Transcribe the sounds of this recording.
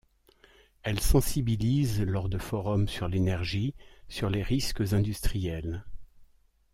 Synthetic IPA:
ɛlsɑ̃sibilizlɔʁd̪əfɔʁɔmsyʁlenɛʁʒisyʁleʁiskəzɛ̃d̪yst̪χijɛl

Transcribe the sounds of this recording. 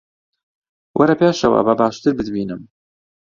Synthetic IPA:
wʔɐɾɐpeːʃɐwɐ̰bɐbaːʃt̪ɨɾbɨd̪biːnɨm

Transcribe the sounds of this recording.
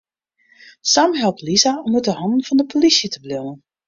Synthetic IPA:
samɦɛlˠp̚tlizaɔmut̚dəhɑndən̩fɑndəpʰolisjətəblɪnən

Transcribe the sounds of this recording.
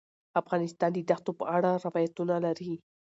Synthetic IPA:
afɣɑnɪst̪ɑnd̪əd̪axt̪opə̰aɽaɾɪwɑjat̪unalaɾi

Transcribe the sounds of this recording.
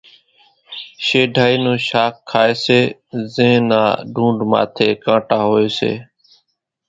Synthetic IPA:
ʃeːɖʱaːiːnũːʃaːkʰːaːeːseːzẽːna̰ːɖʱũːɳɖma̰ːt̪ʰeːkãːʈaːɦoːeːsḛː

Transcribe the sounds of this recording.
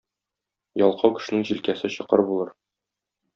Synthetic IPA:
jɒlˠqʰɑwkɘ̥̆ʃɘ̆nɘŋʑilkæsɘɕɤ̆qɤɾbulˠɤɾ

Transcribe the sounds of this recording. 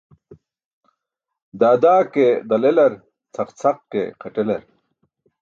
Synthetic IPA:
d̪aːd̪aːked̪ɐlelɐɾ | t͡sʰɐqt͡sʰɐqkḛqɐʈelɐɾ

